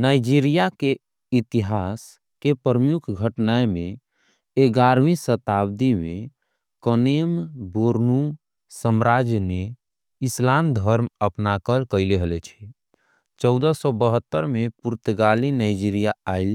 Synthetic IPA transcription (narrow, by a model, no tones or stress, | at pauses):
naɪd͡ʒiɾijake | it̪iɦas | kepəɾəmjukʰɡʱəʈnaemẽ | eɡaɾmisət̪abd̪ime | kɔnemboɾnu | səmɾad͡ʒne | islamd̪ʱəɾməpnakəlkəɪleɦəlɛt͡ʃʰɛ̥ | t͡ʃɔʊd̪əsɔbəɦət̪ːəɾmepuɾt̪ɡalinaɪd͡ʒiɾijaaɪl